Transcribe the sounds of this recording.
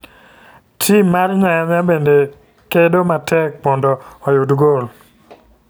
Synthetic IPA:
tʰimːarɲajanabende | kedomatʰɛk̚pɔndɔɔjudɡol

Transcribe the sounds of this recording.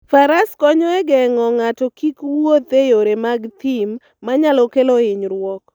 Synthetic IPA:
faɾaskɔɲɔɛɡɛŋɔŋatɔkikwot̪ejoɾemaɡt̪imː | aɲalɔkeloɪɲɾwɔk

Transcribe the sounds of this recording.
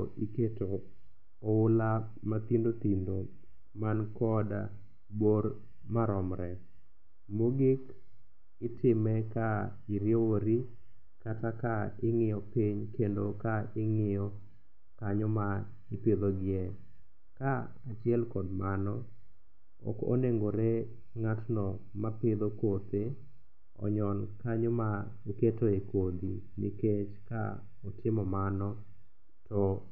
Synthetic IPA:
ʔiketo | ɔʊla | mat̪indot̪indo | mankɔda̰ | boɾ | maɾɔmɾɛ | moɡɪk | ɪtɪmɛka | ɪɾjowoɾi | katakaɪŋɪjɔpiɲkendokaɪŋɪjɔ | kaɲɔma | ɪpɪd̪ɔɡɪɛ | ka | at͡ʃɪɛlkɔdmanɔ | ɔ̰ko̰neŋɡoɾe | ŋatnɔ | mapɪd̪okot̪e | ɔ̰ɲɔnkaɲoma | iketoekod̪i | miket͡ʃka̰ | ɔtɪmɔmanɔ | tɔ

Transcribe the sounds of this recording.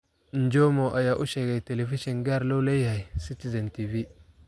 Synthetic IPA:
nd͡ʒomoʔajaʔuʃeɡateleviʃenɡaɾlolejhajsitizentivi

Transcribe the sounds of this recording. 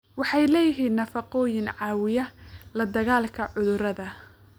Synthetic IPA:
wɑħɑjlɛːjɪɦiːnːɐfɑqɔːjɪnʕɑːwɪjɐlɐd̪ɐɣaːlkʰɐʕʊðʊɾɐðɐ

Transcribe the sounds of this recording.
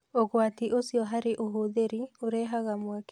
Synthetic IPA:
oɣwatiʔosiɔɦaɾeʔoɦoðeɾioɾɛɦaɣamwak

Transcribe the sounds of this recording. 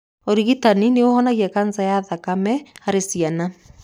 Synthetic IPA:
oɾiɣitanineohɔnaɣiakanzajaðakamɛaɾesiana

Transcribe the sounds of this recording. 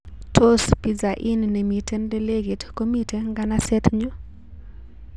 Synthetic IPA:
tʰospizaʔinnemitʰɛndɛleɡitkomitʰeŋɡanasɛt̪ɲɔ

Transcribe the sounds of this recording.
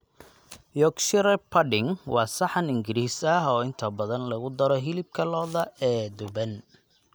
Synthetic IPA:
jɔkʃɪɾɛpʰɐɖɪŋwɑːsɐħɐnɪŋɡɪɾiːsɐɦɔːɪnt̪ʰɐbɐðɐnlɐɣʊd̪ɐɾɔɦɪlɪb̚kʰɐlɔːðɐɛːd̪ʊbɐn

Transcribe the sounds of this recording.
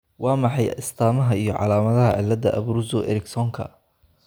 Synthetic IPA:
wɑːmɑħɑjɪst̪ʰaːmɐɦɐijɔʕɑ̰laːmɐðɐɦɐʕɪlːɐðɐʔɐ̰βɾuzɔʔɛ̰ɾɪksɔŋkʰɐ̰

